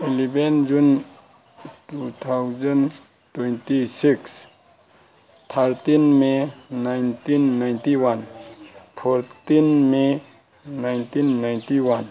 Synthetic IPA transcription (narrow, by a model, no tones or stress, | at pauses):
ilibɛnd͡ʒun | tut̪ʰawzən | twejntisiks | t̪ʰaɾtinmenajntinːajntiwan | pʰɔɾtinme | najntinːajntiwan